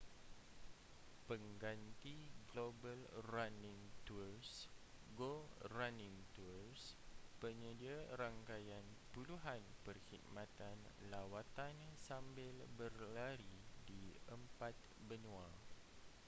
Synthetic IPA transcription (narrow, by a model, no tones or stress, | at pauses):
pəŋɡant̪iɡlobəlranɪ̃ŋt̪ursɡoranɪ̃ŋt̪urspəɲədiaɾaŋkajan | puluɦanpərhit̪̚mãt̪anlawat̪ansambɪlbərlaɾidiəmpat̪̚ | bənũa